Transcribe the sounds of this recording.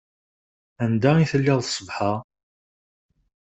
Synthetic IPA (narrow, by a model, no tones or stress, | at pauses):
ænd̪æiθəlːɪðˤsˤːəvħa